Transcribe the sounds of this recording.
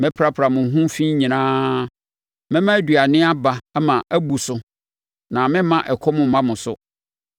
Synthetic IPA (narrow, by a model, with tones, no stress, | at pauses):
mɪ̃˦pʰɾa˦pʰɾa˨mʊ̃˨ɦũ˦mfi˦ɲĩ˨nãː˦ | mɪ̃˦mã˦dɥa˨nɪ̃˦a˦ba˨ɛ˦mã˨ʔæ˦bu˨sʊ˦ | nã˨mɪ̃˦mã˦ʔɛ˨kʰɔ˦mʊ̃˨m˦mã˦mʊ̃˨sʊ˦